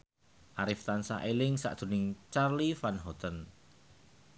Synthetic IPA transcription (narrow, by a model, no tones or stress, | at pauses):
ʔaɾɪft̪ansa̰ʔelɪŋsa̰ʔd̪̥ṳnɪŋt͡ʃarlifanɦɔt̪ən